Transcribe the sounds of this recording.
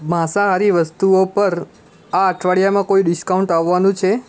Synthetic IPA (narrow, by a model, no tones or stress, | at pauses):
mãsaɦaɾiʋəst̪uopəɾ | aəʈʰʋaɭijamãkoiɖɪskauɳʈaʋːanũt͡ʃʰe